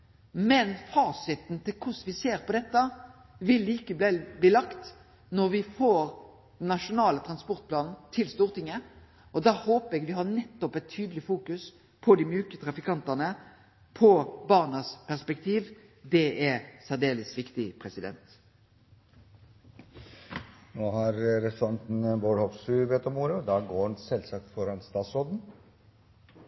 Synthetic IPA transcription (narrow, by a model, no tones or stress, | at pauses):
mɛnfɑːsɪt̪nt̪ʰɪlkʰʊsʋɪseːʁpɔd̪ɛt̪ːɑ | ʋɪlːiːkəbbliːlɑkt̪ | nɔʁʋɪfoːɾ | nːɑʂʊnɑːlət̪ʰʁɑnspɔʁt̪̚pʰlɑːnn̩t̪ʰɪlst̪uːʁət̪ʰɪŋːə | ɔd̪ɑːhoːpəɛɡʋɪɦɑːʁnɛt̪ːɔpɛt̪ʰːyːd̪lɪfuːkʉs | pʰɔd̪iːmjʉːkət̪ʰɾɑfɪkɑnt̪ɑnə | pʰɔbɑːʁnɑspʰæʁspɛkt̪ʰiːʋd̪ɛʔæɾsæʁd̪eːləsʋɪkt̪ɪpʰʁɛsɪd̪ɛ̰nt̪ | noːhɑɾɾɛsɑnt̪n̩boːɽɔfsʉːʋeːt̪ɔmːʊɾʊd̪ɑːɡoːɾnsɛlsɑk̚t̪fɔɾɑnst̪ɑːt̪sɔd̪n̩